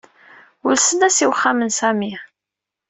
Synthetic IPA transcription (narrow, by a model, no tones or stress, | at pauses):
ʊlsənæsiwχːamənsæmiʕ